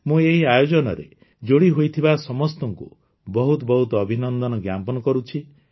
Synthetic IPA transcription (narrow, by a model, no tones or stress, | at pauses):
mũeɦiajod͡ʒɔnɔ̰ɾḛ | d͡ʒoɽiɦojt̪ʰibasɔmɔst̪ɔŋkṵ | bɔɦut̪ɔbɔɦut̪ɔːbʱinɔnd̪ɔnɔɡjampɔnɔkɔɾut͡ʃʰi